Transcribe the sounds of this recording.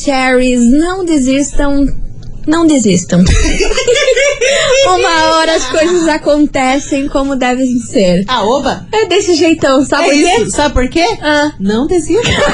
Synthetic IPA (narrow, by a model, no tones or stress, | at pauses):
t͡ʃɛɾiznɐ̃w̃d̪izist̪ɐ̃w̃ | nɐ̃w̃d̪ɪzist̪ɐ̃w̃ | ũmɐɔɾɐɐskojzɐzakõnt̪ɛsẽj̃kõmʊd̪ɛvẽseɾaobɐɛd̪esɪʒejt̪ɐ̃w̃sabɪpoɾkesabɪpoɾkeɐ̃nɐ̃w̃d̪ezis